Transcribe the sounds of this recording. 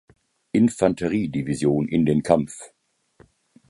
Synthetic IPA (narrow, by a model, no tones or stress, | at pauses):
ʔɪnfantʰɛʁiːdivizjoːnʔɪ̰ndeːnkʰamf